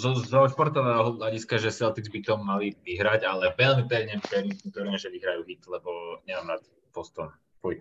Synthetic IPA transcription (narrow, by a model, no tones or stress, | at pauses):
zɔzɔʃpɔɾt̪ɔʋɛɦɔʎaɟiskaʒɛsɛlt̪iɡzbit̪ɔmːaliʋiɦɾaɟalɛʋɛlmipɛʋɲɛpɛmiknut̪ɔɾɲɛʒɛʋiɦɾajuːɦit̪lɛbɔɲɛmamnat̪ | pɔst̪ɔn | kuj